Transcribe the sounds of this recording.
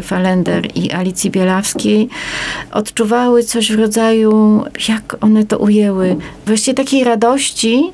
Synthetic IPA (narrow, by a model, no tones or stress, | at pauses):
falɛnd̪ɛɾḭʔalʲit̪sʲjibʲjɛlafskʲejʔɔ̰t̪t͡ʂuvawɘt̪sɔʑvɾɔd̪zajujakɔnɛt̪ɔ̰ʔujɛwɘvwaɕt͡ɕiɛt̪akʲejɾad̪ɔɕt͡ɕi